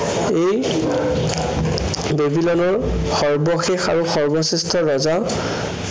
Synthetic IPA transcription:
ej | bebilɔnɔɹ | xɔɹbɔxexa̰ɹuxɔɹbɔsistʰɔɹɔza

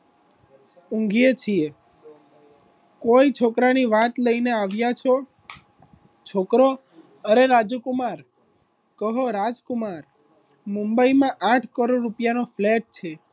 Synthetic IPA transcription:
ũŋɡjet͡ʃʰie | koit͡ʃʰokɾaniʋat̪ləineaʋjat͡ʃʰo | t͡ʃʰokɾo | əɾeɾad͡ʒukumaɾ | kəɦoɾad͡ʒkumaɾ | mumbəimãʔaʈʰkəɾoɖɾupjanofleʈ̚t͡ʃʰe

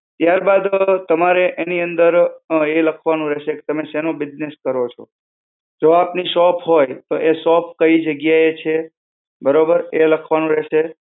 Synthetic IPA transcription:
t̪jaɾbad̪t̪əmaɾeʔeniənd̪əɾeləkʰʋanũɾɛʃeke̥t̪əmeʃenõbɪd͡ʒneskəɾot͡ʃʰo̰ | d͡ʒoapniʃɔpʰɦojt̪oʔeʃɔp̚ʰkəid͡ʒəɡjaet͡ʃʰe | bəɾobəɾeləkʰʋanũɾɛʃe

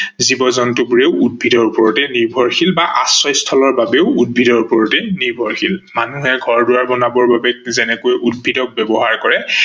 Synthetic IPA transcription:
zibɔzɔntʊbuɹeʊud̚bʱidɔɹupɔɹɔtɛniɹbʱɔɹxʰilbaʔasɔjstʰɔlɔɹbabɛʊud̚bʱidɔɹupɔɹɔtɛniɹbʱɔɹxʰilmanuɦɛɡʱɔɹdʊwaɹbɔnabɔɹbabɛk̚zɛnɛkojʔud̚bʱidɔk̚bɛbɔɦaɹkɔɹɛ

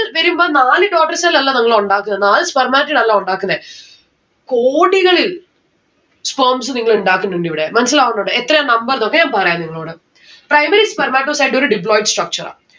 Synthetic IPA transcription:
lʋɐɾumboːnaːlɨɖoːkʈːɐrsɐlːɐlːɐniŋːɐɭeuɳɖaːkːunɐðnaːlɨspɐrmaːʈːinɐlːauɳɖaːkːunːɐðe | koːɽiɣɐɭil | spɐːms̬ɨniŋːɐɭuɳɖaːkːunɖuɳɖiʋiɽemɐnɐs̬ilaːɣunːoːɖɨet̪ːrɐjanɐmbɐrðokːeɲaːnpɐrɐjaːniŋːɐɭoːɽɨ | prɐjmɐɾispɐrmaːʈːoːsɐjɖo̞ɾuɖip̬loːjʈsʈrɐk̚t͡ɕɐɾa̰ː

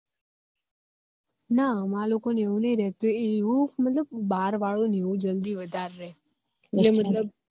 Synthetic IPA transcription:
naəmãlokoneũnəiɾɛɦt̪ueumət̪ləb̚ːaɾʋaɭoneũd͡ʒəld̪iʋəd̪ʱaɾːɛ | elemət̪ləb̚

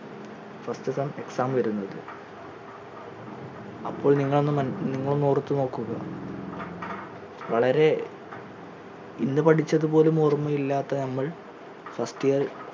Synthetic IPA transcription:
fɐstɨsɐme̞ksaːmʋɐɾunːɐðɨ̰ | ɐpːo̞ːɭniŋːɐɭo̞nːɨmɐniŋːɐɭonːoːrt̪ːɨno̞ːkːuɣɐ̰ | ʋɐɭɐɾe̞ | inːɨpɐʈʰit͡ɕːɐðupo̞ːlumormːɐjilːaːt̪ːɐnɐmːɐɭ | fɐsʈijɐr

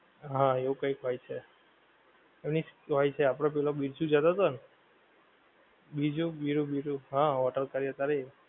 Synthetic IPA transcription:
ɦãeũkəjkɦojt͡ʃʰe | emnisɦojt͡ʃʰeapɽop̬ɛlobiɾd͡ʒũd͡ʒad̪at̪ən | bid͡ʒũbiɾubiɾuɦãʋɔʈəɾkaɾjət̪aɾe

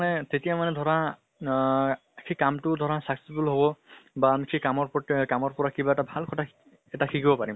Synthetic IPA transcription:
nɛtetijamanɛdʱɔɹa | kʰikamtʊdʱɔɹasaksitulɦobɔbaːmikʰikamɔɹpɔkamɔɹpɔɹakʰibaɛtabʱalkʰɔtʰa | ɛtakʰikibɔpaɹim

